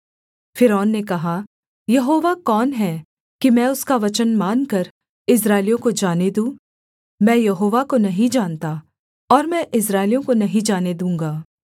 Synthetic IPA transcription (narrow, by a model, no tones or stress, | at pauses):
fɪɾɔːnːekɐɦa | jɐɦoːʋakɔːnɦɛ | kimɛ̃ːʊskaʋɐt͡ʃənmaːnkɐɾ | ɪs̬ɾaːɪlijõkod͡ʒaːned̪ũː | mɛ̃ːjɐɦoːʋakonɐɦĩd͡ʒaːnt̪a | ɔːɾmɛ̃ʔɪs̬ɾaːɪlijõkonɐɦĩd͡ʒaːned̪ũːŋɡaː